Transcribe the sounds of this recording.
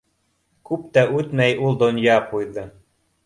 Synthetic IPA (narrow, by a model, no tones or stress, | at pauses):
kup̚t̪æʔut̪mæjulˠd̪onjɑpujðɤ̆